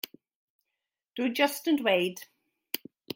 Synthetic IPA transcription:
d̥ud͡ʒʌstə̃nweɪd̥

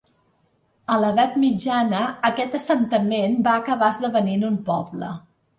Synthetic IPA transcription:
ələðat̪mid͡ʒanəːkɛt̪əsənt̪əmenbaəkəβazðəβəninumpɔblə̰

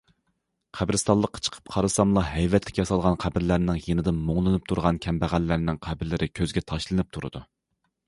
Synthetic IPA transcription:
qʰæbɾɨst̪ɑlˠəqʰːɑ̥t͡ʃʰə̥qʰə̥p̚qʰɑɾɨsɑmlˠɑɦɛjvɛt̪ʰlɪ̥kʲjɑsɑlˠʁɑnqʰæbɪɾlæɾnɪŋjenɪd̪ɪnmoŋlˠɨnɨp̚t̪ʰuɾʁɑnkʲʰɛmbæʁælːæɾnɪŋqʰæbɪɾlɪɾʔɪkʲʰøzɡʲɛt̪ʰɑʃlˠɨnɨp̚t̪ʰuɾɨ̰d̪u

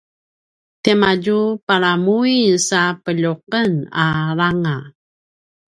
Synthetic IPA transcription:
temaɟupaɾamuisapəʎuqənaɾaŋa

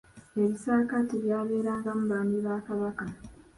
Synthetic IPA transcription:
e̞βisaːkatiβjaːβe̞ːɾaːŋɡamuβaːmbiβaːkaβaka

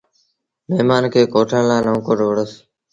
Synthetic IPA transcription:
meːmaːnkʰeːkoːʈʰãːlaːnõːkoʈʋəɽəs

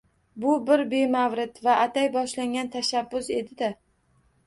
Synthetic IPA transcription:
bʊbɪɾbe̞mavɾɪt̪vaʔat̪ʰajbɒʃlaŋɡʲant̪ʰaʃabːʊse̞d̪ɪd̪a

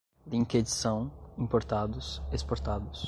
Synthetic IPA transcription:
d̪ĩŋked͡ʒisɐ̃w̃ĩmpoɾt̪ad̪ʊsespoɾt̪ad̪ʊs

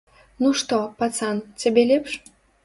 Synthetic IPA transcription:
nuʂt̪ɔpat̪sant͡sʲabʲɛlʲɛpʂ

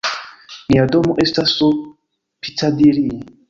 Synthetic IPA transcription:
niadɔmuʔestaso | pi̥tadiɾi

